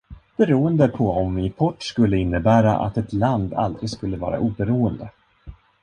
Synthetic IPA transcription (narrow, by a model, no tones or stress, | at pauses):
b̥ɛɾuːənd̪əpʰɔɔmvɪpʰɔʈːskɵlːəɪnːəbæːɾa̰ʔa̰t̪ɛt̪land̪a̰ld̪ɾɪɡskɵlːəvɑ̰ːɾa̰ʔuːbɛɾuːənd̪ə